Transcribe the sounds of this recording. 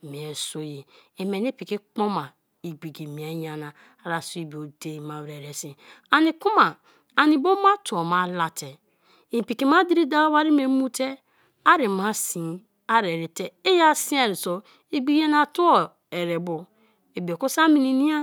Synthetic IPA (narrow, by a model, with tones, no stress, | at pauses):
mi˨e˨so˦ji˨e˨me˨ni˦pi˨ki˦k͡po˦ma˨ | i˨ɡ͡bi˨ɡi˨mi˨a˨˦ja˨na˨ | a˨ɾa˨so˦i˨bo˨de˦˨ma˨wɾe˨ɾe˨sĩ˨ | a˨ni˨ku˦ma˨ | a˨ni˨bo˦ma˦tu˨o˨ma˨la˨te˨ | i˨pi˨ki˨ma˦di˦ɾi˦da˦wa˦ɾi˦m˦e˨˦mu˦te˦ | a˦ɾi˨ma˦si˨ | a˦ɾe˨ɾi˨te˦e˦ja˦si˦a˨ɾi˨so˨˦ | i˦ɡ͡bi˦a˦na˨tu˦o˨ | e˨ɾe˨bo˨ | e˨bi˨o˨ku˦sa˦mi˨ni˨ni˦a˦